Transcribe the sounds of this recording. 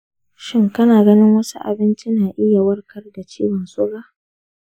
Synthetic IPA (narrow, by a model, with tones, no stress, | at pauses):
ʃɪ˦ŋkɐ˦naː˨ɡɐ˦nɪ˦ŋwɐ˦su˦ʔa̰˨bɪ˦nt͡ʃi˦naː˨ʔɪ˦ja˨wɐ˦rkɐ˦rda˨t͡ʃiː˦wɐ˨nsʼʊ˦ɽaː˦